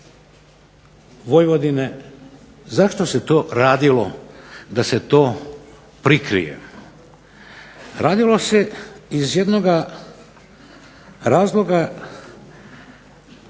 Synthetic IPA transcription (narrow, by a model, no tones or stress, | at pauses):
ʋo̞jʋo̞d̪ine | zaʃt̪oset̪o̞ːɾaːd̪ilo̞̰d̪aset̪o̞ː | pɾikɾḭjḛ | ɾʔaːd̪ilˠo̞se̞izjed̪noɡa | ɾaːzlˠo̞ɡa